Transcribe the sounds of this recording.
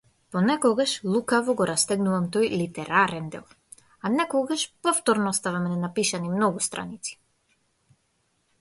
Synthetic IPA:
pɔnɛkɔɡaʃlˠukavɔɡɔɾʔast̪ɛɡnuvamt̪ɔjlit̪ɛɾaɾɛnd̪ɛ̰lˠ | anɛkɔɡaʃpɔft̪ɔɾnɔɔst̪avamɛnɛnapiʃanimnɔɡust̪ɾʔa̰nit̪si̥

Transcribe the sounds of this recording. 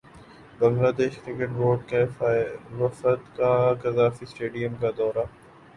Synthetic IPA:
bɐŋlaːd̪eːʃkɾɪkeʈʋoːɖke | ʋɐfət̪kakɐzaːfisʈeːɖijəmkad̪ɔːɾa

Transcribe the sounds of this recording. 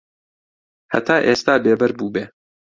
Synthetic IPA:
hɐ̰t̪ʰaːʔeːst̪aːbeːbɐɾbuːbeː

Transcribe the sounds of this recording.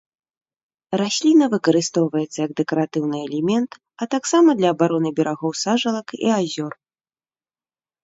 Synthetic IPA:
rasʲlʲinɐvɨkɐɾɨst̪ɔwvɐjɛt̪sːɐjɐɡ̚d̪ɛkɐɾat̪ɨwnɨɛlʲɛmʲɛnt̪ | ɐt̪aksamɐd̪lʲɐːbaɾɔnɨbʲɛɾaɣɔwsaʐɐlˠɐkḭazʲɔr

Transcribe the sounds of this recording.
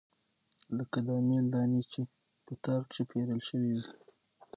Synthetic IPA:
ləkad̪ɑmeld̪ɑnit͡ʃe | pət̪aɾkʂəpʰeɾəlʃəwiwi

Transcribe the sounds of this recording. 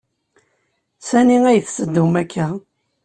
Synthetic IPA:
sæniŋæjəθsəd̪ːumækːa

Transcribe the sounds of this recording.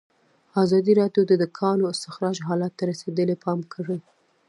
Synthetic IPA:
ɑzɑd̪iɾɑɖjod̪əd̪ʊkʰɑnoɪst̪ɪxɾɑʒɦɑlat̪ːaɾased̪əlepʰɑmkʰəɽi

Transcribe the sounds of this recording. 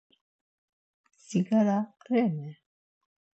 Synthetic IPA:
siɡaɾaqɾɛmɛ

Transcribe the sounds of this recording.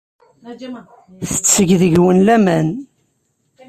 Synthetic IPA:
θə̥t͡sːəʝðəʝwənlæmæn

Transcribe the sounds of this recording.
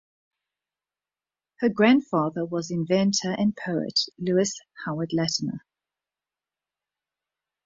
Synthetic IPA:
həɡɹãnd̥fɑːðəwɒzɪ̃ɱvɛ̃ntʰəɹʔə̃npʰəʊɪ̰ʔlʉːɪshaʊədˡlɛtnə̰

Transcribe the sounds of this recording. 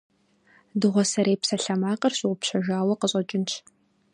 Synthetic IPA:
dɨʁʷɔsɐɾeːpsɐɬɐmaːqʼɐrɕʼɪʁʷʊpɕɐʒaːwɐqəɕʼɐt͡ʃʼɪnt͡ʃʰ

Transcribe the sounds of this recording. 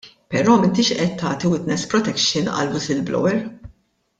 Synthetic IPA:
pɛɾɔːmɪnt̪iʃʔɛt̪ʰːɐːt̪iwɪt̪nɛspɾɔt̪ɛkʃɪnɐ̰lwɪsɪlblɔ̰wɛɾ

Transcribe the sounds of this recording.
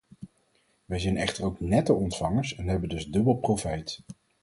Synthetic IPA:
ʋɛjzɛjnɛχtəɹowknɛtəɔntfɑŋəɹsɛnɦɛbəndɵzdɵbəlˠprofɛjt

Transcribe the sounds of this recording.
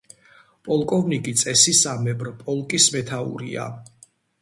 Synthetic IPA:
pʼɔlˠkʼɔvnikʼit̪sʼɛsisamɛbɾpʼɔlˠkʼismɛt̪ʰaṵɾḭa̰

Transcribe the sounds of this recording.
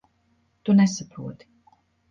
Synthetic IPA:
t̪unɛsapɾuɔt̪i̥

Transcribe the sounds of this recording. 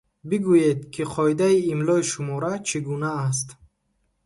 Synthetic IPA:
biɡujed̪kʰiqʰɔid̪aiimlɔiʃumɔɾat͡ʃʰiɡunaːs̬t̪

